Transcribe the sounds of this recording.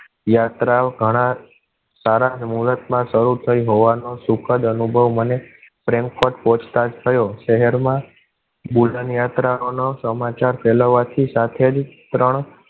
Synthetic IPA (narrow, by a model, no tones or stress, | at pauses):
jat̪ɾaɡʱəɽ̃a | saɾad͡ʒmuɾət̪mãʃəɾut̪ʰəiɦoʋanosukʰəd̪ənubʱəʋməne | fɾɛ̃ŋkfoʈpõt͡ʃʰt̪ad͡ʒt̪ʰəjoʃəɦɛɾmã | bulənjat̪ɾaonosəmat͡ʃaɾfʰɛloʋat̪ʰisat̪ʰed͡ʒt̪ɾəɳ